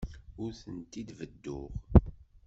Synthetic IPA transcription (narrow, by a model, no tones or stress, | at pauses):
ʊɾθənt̪id̪vəd̪ːʊ̰ʁ